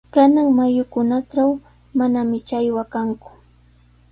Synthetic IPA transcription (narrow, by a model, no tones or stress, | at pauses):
kanaŋmajʊkʊnaʈ͡ʂaw | manamɪt͡ʃajwakaŋkʊ̥